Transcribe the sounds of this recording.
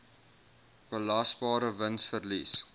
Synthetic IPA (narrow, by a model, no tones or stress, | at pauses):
b̥əlɐsbɑːɾəvənsfərlis